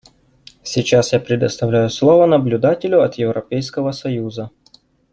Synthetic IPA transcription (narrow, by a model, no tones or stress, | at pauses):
sʲit͡ɕasjapɾʲɪd̪əst̪ɐvlʲæjʊslˠovənəblʲʊd̪atʲɪlʲʊɐt̪jɪvɾʔɐpʲejskəvəsɐjuzə